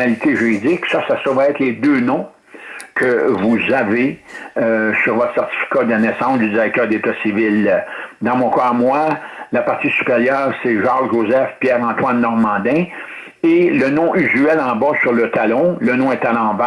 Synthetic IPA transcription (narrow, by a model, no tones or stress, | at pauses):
alit̪eʒyʁid͡zɪksʌsasovaɛt̪led̪øːnɔ̃ | kʰəvuzave | syʁvɔt̪χsɛʁtt͡si̥fi̥kad̪ənɛsɑ̃sd̪ydd͡ziʁɛk̚t̪œːʁd̪et̪asivɪld̪ɑ̃mɔ̃kɑamwalapaʁt̪sisy̥peʁjœːʁseʒɑʁʒʒozɛfpjɛːʁɑ̃ːt̪wanːɔʁmɑ̃ːd̪ɛ̃ | elənɔ̃ʔyzyɛlɑ̃bɔsyʁlət̪alɔ̃lənɔ̃ɛt̪alɑ̃ba